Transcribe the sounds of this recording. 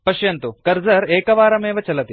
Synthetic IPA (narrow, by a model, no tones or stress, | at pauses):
pɐʃjɐnt̪ukɐɾzɐɾeːkɐʋaːɾɐmeːʋɐt͡ʃɐlɐt̪i